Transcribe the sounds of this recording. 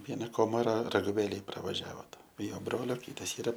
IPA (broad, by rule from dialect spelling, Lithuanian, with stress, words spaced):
ˈʋʲiɛnɐ ˈkoːmɐrɐ rɐɡʊˈʋʲeːlʲeːj prɐʋɐˈʒʲæːʋoːt ɪ ˈjoː ˈbroːlʲoː ˈkʲiːtɐs ˈiːrɐ